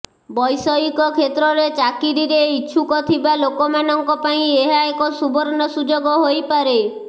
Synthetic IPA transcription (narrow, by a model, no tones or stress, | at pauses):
bɔjsɔikɔkʰet̪ɾɔɾet͡ʃakiɾiɾeiːt͡ʃʰukɔt̪ʰibalokɔmanɔŋkɔpaĩeɦaekɔsubɔɾɔnɔsud͡ʒoɡɔɦojpaɾe